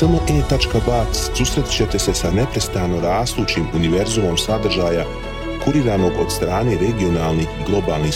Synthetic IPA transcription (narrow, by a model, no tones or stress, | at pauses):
səlnoʔeːt̪at͡ʃkabaːt̪susɾet̪i̥t͡ɕe̞t̪e̞se̞sane̞pɾe̞st̪ano̞ɾaːst̪uːt͡ɕiːmuniʋe̞ɾzumo̞msad̪r̩ʒaːja | kuɾiɾaːno̞ɡo̞d̪st̪ɾaːne̞ːɾe̞ɡio̞naːlˠnihɡlˠo̞baːlˠni